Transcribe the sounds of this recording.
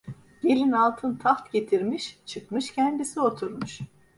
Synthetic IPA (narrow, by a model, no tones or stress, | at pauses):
ɟ̥e̞lʲinalˠt̪ʰɯnt̪ʰaft̪ɟe̞t̪ʰiɾmiʃt͡ʃʰɯkmɯʃcʰɛnd̪isio̞t̪ʰuɾmuʃ